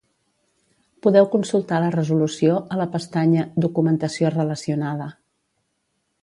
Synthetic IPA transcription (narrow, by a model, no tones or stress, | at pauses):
puðɛwkunsulˠt̪alərəzulusioələpəst̪aɲəd̪ukumənt̪əsiorələsiunað̞ə